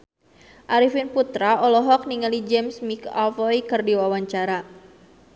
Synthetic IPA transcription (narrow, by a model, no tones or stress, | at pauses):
ʔaɾifinput̪ɾaɔlɔɦɔk̚niŋalid͡ʒɛmsmika̰lfɔjkɨrdiwawaɲt͡ʃaɾa